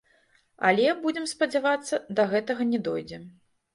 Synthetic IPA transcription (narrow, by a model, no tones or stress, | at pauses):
ɐ̰lʲɛbud͡zʲɛmspɐd͡zʲavat̪sːɐd̪ɐɣɛt̪ɐɣɐnʲɛd̪ɔjd͡zʲɛm